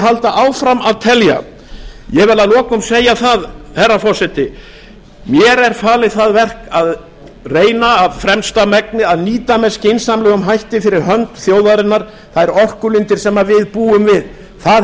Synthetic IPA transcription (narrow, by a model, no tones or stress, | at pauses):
ɦalt̪aʔaːwfɾamaðt̪ʰɛlja̰ | jɛvɛlalɔːkʏmseːjaθaðθɛrːafɔrsɛt̪ɪ | mjɛɾɛɾ̥faːlɪθaðvɛr̥kað | reːjnaːvfɾɛmst̪amɛknɪaðniːt̪amɛscejnsamlʏɣʏmɦajht̪ɪfɪɾɪɾɦœnt̪θjoːwðaɾɪnːaɾ̥ | θaðɛɾɔr̥kʏlʏnt̪ɪɾ̥sɛmːavɪðpuːʏmvɪð | θað